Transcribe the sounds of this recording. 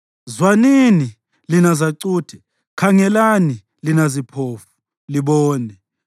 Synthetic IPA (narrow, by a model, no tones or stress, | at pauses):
zwanini | linazaǀuːtʰɛ | kʰaŋɛlani | linazipʰoːfu̥ | liɓɔːnɛ